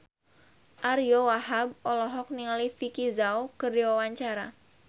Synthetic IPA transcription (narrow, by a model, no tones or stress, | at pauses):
ʔaɾjowaɦab̚ɔlɔɦɔk̚niŋalifikizaokɨrdiwawaɲt͡ʃaɾa